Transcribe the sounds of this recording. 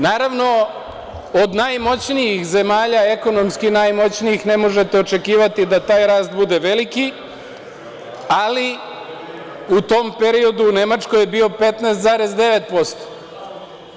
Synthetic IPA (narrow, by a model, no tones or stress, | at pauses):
naːɾaʋno̞ | od̪najmo̞t͡ɕnijixze̞maːʎae̞ko̞no̞mskinajmo̞t͡ɕniixne̞mo̞ʒe̞t̪eo̞t͡ʃe̞kiːʋat̪id̪at̪aːjɾaːst̪̚bud̪e̞ʋe̞liki | ali | ut̪o̞mpe̞ɾio̞d̪uːne̞mat͡ʃkojebio̞pe̞t̪nɛːst̪zaɾe̞zd̪e̞ʋe̞t̪̚po̞st̪o̥